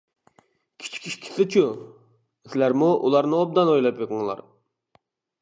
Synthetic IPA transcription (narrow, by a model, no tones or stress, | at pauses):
kʲʰi̥t͡ʃʰi̥kʲʰiʃkʲʰi̥sɪt͡ʃʰu | sɪlæɾmuʔulˠɑɾnɨob̚d̪ɑnojlˠɑpjeqəŋlˠɑ̰ɾ